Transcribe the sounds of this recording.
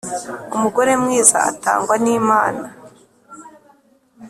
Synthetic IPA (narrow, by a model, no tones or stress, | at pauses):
umuɡo̞ɾe̞mŋiːza̰a̰ta̰ːŋɡwaniːmaːna